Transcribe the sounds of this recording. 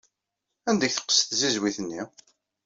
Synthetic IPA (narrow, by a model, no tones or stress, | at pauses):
ænd̪əkθə̥qːə̥sθzizwiθənːi